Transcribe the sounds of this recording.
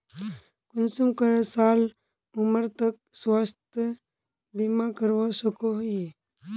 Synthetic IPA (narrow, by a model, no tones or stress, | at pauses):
kʊnsumkəɾesaːl | ʊməɾt̪ək̚swəst̪ | limãkəɾʋosəkoɦ